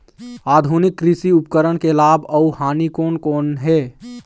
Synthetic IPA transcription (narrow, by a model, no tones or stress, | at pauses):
aːd̪ʱunɪkːɾɪsiʊpkəɾəɽkelaːbəuhaːnikoːnkoːnɦɛː